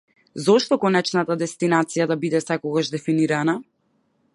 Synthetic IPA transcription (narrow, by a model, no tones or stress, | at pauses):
zɔʃt̪ɔkɔnɛt͡ʃnat̪ad̪ɛst̪inat̪sijad̪abid̪ɛsɛkɔɡaʒd̪ɛfiniɾana